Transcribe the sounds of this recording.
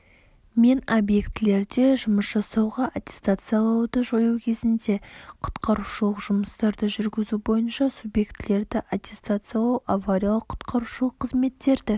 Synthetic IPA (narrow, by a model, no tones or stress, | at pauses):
me̞nobje̞kt̪ɪle̞ɾd̪e̞ʒʊməsʒɑsɑwʁɑʔat̪ʲe̞̥st̪at̪sɨjalˠɑwd̪əʒojuwkʲʰe̞zɪnd̪e̞qʰʊ̥t̪qɑɾuʃulˠəqʒ̥ʊməst̪ɑɾd̪əʒʏɾɡʲɪzubo̞jənʃɑsubje̞kt̪ɪle̞ɾd̪ɪʔat̪ʲe̞st̪at̪sɨjalˠɑwʔavaɾʲijalˠəqʰːʊ̥t̪qɑɾuʃulˠəqʰːəzme̞t̪ːe̞ɾd̪ɪ